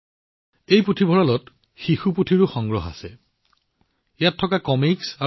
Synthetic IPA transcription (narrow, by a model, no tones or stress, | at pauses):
ejputʰibʱɔɹalɔt | xixuputʰiɹuxɔŋɡɹɔɦa̰sɛ | ejatʰːɔkakɔmiksa